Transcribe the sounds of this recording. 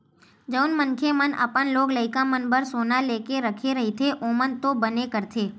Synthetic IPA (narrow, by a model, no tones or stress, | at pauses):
d͡ʒəʊnmənkʰemənʔə̰pənloːɡləɪkãmənbəɾsoːnaleːkeɾəkʰeɾɐɦet̪ʰeʔomənt̪obənekəɾt̪ʰeː